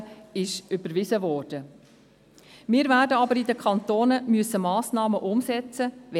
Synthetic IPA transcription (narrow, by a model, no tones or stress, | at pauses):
ɪʃʏbəɾʋɪsəvɔːrd̥ə | mɪːɾvæːdəɑbəɾɪdəkʰɑnt̪oːnəmyəsəmɑːsnɑːməʔʊmsɛt͡səʋɛ